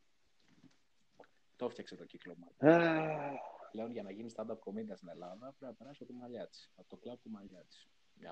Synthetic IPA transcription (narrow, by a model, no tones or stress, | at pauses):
t̪o̞ft̪çɐkse̞t̪o̞ciklomɐ | ple̞onʝɐnɐʝinist̪ɐnd̪ɐpkomind̪ɐst̪ine̞lɐðɐpɾeɐpeɾɐsot̪imɐʎɐt̪i̥sɐt̪oklɐvt̪umɐʎɐt͡s̪i̥s